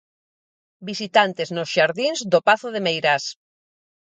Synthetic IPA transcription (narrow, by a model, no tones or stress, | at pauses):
bisit̪ant̪eznosʃaɾðinzd̪opaθoðemejɾas